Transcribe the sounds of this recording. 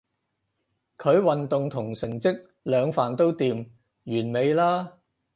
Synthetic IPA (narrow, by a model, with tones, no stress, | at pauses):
kʰɵ˨˧ɥwɐ˨nt̪ʊ˨ŋt̪ʰʊ˨˩ŋsɪ˨˩ŋt͡sɪ˥k̚ | lœː˨˧ŋfaː˨˩nt̪o˥wt̪iː˧m | jyː˨˩nme˨˧jlaː˥